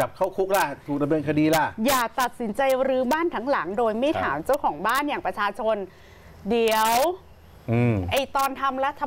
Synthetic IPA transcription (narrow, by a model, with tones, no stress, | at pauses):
a˨˩p̚kʰa˥˩wkʰu˦˥k̚la˧˩t̪ʰuː˨k̚da˧mdeː˧nkʰa˧diː˧la˧˥˩jaː˨˩t̪a˨˩t̪̚si˩˦nt͡ɕa˧jɾɯː˧˦˥baː˥˩nt̪ʰa˦˥ŋla˩˦ŋdoː˧jma˥˩jt̪ʰaː˩˦mt͡ɕa˥˩wkʰɔː˩˦ŋbaː˥˩njaː˨˩ŋpɾa˧t͡ɕʰaː˧t͡ɕʰo˧n | di˩əw | ʔɯː˧˩ʔa˧˩jt̪ɔː˧nt̪ʰa˧mɾa˦˥t̪ʰːa˧